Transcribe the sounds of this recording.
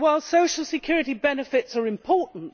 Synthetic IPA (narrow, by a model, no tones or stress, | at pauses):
waɪlˠsoʊʃəl̩ˠsɨkʰj̥ʊɹɨɾibɛnɨfɪtsə˞ɨ̃mpʰɔɹˑʔn̩t